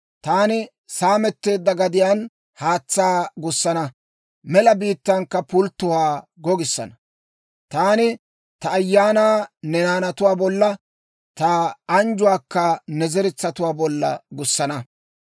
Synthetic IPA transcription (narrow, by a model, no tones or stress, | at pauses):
t̪aːnɪ | saːmɛt̪ːe̞ːd̪ːɐɡɐd̪ɪjaːn | haːt͡sːaːɡʊsːɐnɐ | mɛlɐbiːt̪ːɐŋkːɐpʊlt̪ːʊhaːɡɔɡɪsːɐ̰nɐ | t̪aːnɪ | t̪ɐːjːaːnaːnɛnaːnɐt̪ʊwaːbɔlːɐ | t̪ɐɐnd͡ʒʊwaːkːɐnɛzɛɾɪt͡sːɐt̪ʊwaːbɔlːɐ̰ɡʊsːɐnɐ